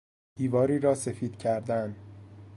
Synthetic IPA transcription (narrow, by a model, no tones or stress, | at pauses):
d̥iːvɒːɾiːɾɒːse̞fiːd̪̥cʰæɾd̪æn